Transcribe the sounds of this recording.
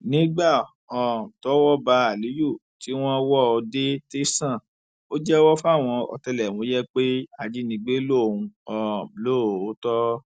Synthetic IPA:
nĩ˨˦ɡ͡ba˦˨ | ɔ˨m̩˨tɔ˦wɔ˦ba˧a˨li˨˦ju˦˨ti˨˦w̃ɔ̃˦wɔ˦˧de˦te˦sã˦˨ | o˦d͡ʒɛ˦wɔ˦fa˦˨w̃ɔ̃˧ɔ̰˧tɛ˧lɛ˨mõ˨˦jɛ˦k͡pe˦a˧d͡ʒi˦nĩ˧ɡ͡be˦lo˦˨ũ˧ɔ˨lo˦˨o˨˦tɔ˦

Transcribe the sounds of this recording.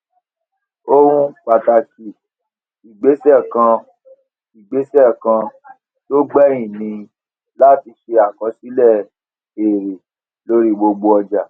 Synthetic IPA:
o˦ɾũ˦k͡pa˨ta˨ki˨ | i˨ɡ͡be˨˦sɛ˦˨kã˧ | i˨ɡ͡be˨˦sɛ˦˨kã˧ | to˦ɡ͡bɛ̃˦ĩ˦˨nĩ˧ | la˦ti˧ʃe˧a˨kɔ˨˦si˨˦lɛ˦˨ | e˨ɾe˨ | lo˦ɾi˦ɡ͡bo˧ɡ͡bo˧ɔ˧d͡ʒa˨

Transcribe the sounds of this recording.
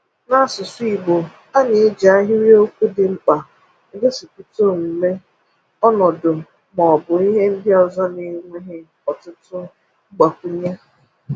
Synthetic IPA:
na˦sʊ˨si˦˨ɡ͡bo˨ | a˦nɪ˨˦d͡ʒa˦ɦɪ˦wi˦o˦kʷu˦dɪ˨ŋ͡m̩˦k͡pa˨˦ | ɡe˦si˨ku˦to˦˨m̩˨me˦ | ɔ˦nɔ˨dʊ˨m̩˨ | mɔ˨bʊ˨i˦ɦe˦n̩˦dɪ˦ɔ˨zɔ˦ni˦ŋʷe˦ɦɪ˦ | ɔ˨tʊ˦tʊ˦ | ɡ͡ba˨kʷu˦ɲa˦

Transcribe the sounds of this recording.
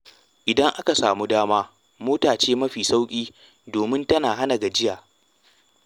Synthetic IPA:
ʔɪ˨dɐ˦ŋʔa˦ka˨saː˨muː˦daː˦maː˦ | moː˦taː˨t͡ʃeː˦mɐ˦ɸiː˨sa˦wkʲʼiː˦ | doː˨mɪ˦ntɐ˦naː˨ɦa˦na˨ɡa˨d͡ʒɪ˦jaː˨

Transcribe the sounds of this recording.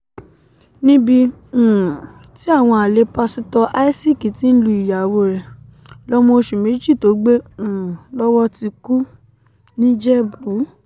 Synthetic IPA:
nĩ˦bĩ˧˨ | ti˦a˦˨w̃ɔ̃˧a˨le˨˦pa˧si˦tɔ˧ʔa˦i˦si˦˨ki˨ti˨˦n̩˦lu˧˦i˨ja˨wo˧ɾɛ˨ | lɔ˦mo˧ʃu˨me˨˦d͡ʒi˦˨to˨˦ɡ͡bẽ˦˨lɔ˦wɔ˦ti˧ku˦ | nĩ˦d͡ʒɛ˦bu˨˦

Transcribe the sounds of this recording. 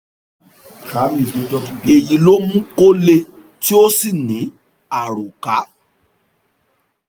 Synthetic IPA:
ka˨˦mĩ˨e˨˦tɔ˦ti˦e˨ji˨˦lo˦mũ˦ko˦le˧ | ti˦o˦si˦˨nĩ˨˦ | a˨ɾo˨ka˨˦

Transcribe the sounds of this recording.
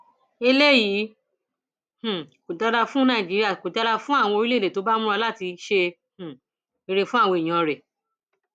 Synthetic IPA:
e˧le˦jiː˨˦ | h̩˨ko˨da˧da˧fũ˦nã˦˨d͡ʒi˨˦ɾi˦a˦˨ko˨da˦ɾa˧fũ˦a˦˨w̃ɔ̃˧o˧ɾi˦le˦˨de˨to˨˦ba˦mũ˦ɾa˧la˦˨ti˧ʃe˧ | h̩˨ | e˧ɾe˨fũ˦a˦˨wɔ̃˧i˨j̃ɔ̃˨˧ɾɛ˨

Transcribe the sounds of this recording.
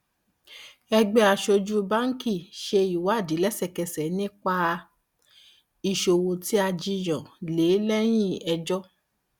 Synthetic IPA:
ɛ˧ɡ͡bɛ˧˦a˧ʃo˧d͡ʒu˦ba˦ŋ̩˦ki˦˨ʃe˧i˨wa˨˦˨di˨˦lɛ˦sɛ˦˨kɛ˧sɛ˨˦nĩ˦k͡pa˧ | i˧˨ʃo˧wo˧ti˦a˧d͡ʒi˧j̃ɔ̃˨le˨˦lɛ˦j̃ĩ˦˨ɛ˧d͡ʒɔ˦

